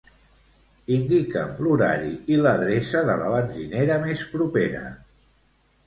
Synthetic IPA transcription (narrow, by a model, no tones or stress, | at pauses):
ind̪ikə̰mluɾa̰ɾḭʔiləðɾesəðələ̰βənʲʒineɾəmespɾupeɾə̰